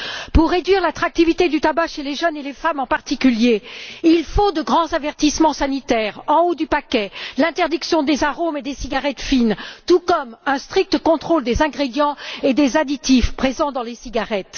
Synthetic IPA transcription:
puʁːed̪ɥiʁlat̪χak̚t̪ivit̪ed̪yt̪abaʃeleʒœnelefamɑ̃paʁt̪ikʲyljeilfod̪əɡʁɑ̃zavɛʁt̪ismɑ̃sanit̪ɛʁɑ̃od̪ypakʲɛlɛ̃t̪ɛʁd̪iksjɔ̃d̪ezaʁomed̪esiɡaʁɛt̪fint̪ukɔmɛ̃st̪χik̚t̪əkɔ̃t̪χold̪ezɛ̃ɡʁed̪jɑ̃ed̪ezad̪it̪ifpχezɑ̃d̪ɑ̃lesiɡaʁɛt̪

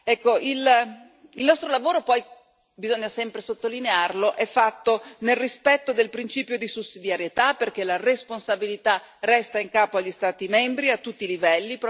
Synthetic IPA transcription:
ɛkːoʔil | ilnɔst̪ɾolavoːɾopɔj | bizoɲːasɛmpɾesot̪ːolinearloʔɛfːat̪ːonelrispɛt̪ːod̪elpɾint͡ʃiːpjod̪isusːid̪jaɾjet̪aperk̟elaresponsabilit̪arɛst̪aiŋkaːpoaʎːist̪aːt̪imɛmbɾiat̪ːut̪ːilivɛlːip

